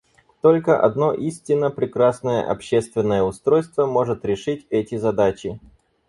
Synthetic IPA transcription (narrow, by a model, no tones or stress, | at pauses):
t̪o̞lʲkəʔɐ̰d̪no̞ʔisʲtʲɪnːəpɾʲɪkɾasnəjə̰ʔɐ̰pɕːest̪vʲɪnːəjəʊst̪ɾo̞jst̪vəmo̞ʐɨt̪ɾʲɪʂɨtʲɛtʲɪzɐd̪at͡ɕɪ